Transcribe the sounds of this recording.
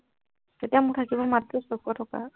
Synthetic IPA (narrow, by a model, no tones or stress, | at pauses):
tetijamʊtʰakibɔmadɹɔsɔkɔtʰɔka̰